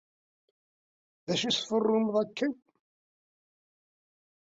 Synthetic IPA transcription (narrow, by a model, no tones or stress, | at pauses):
ðæʃisfərˤːʊmðˤækːən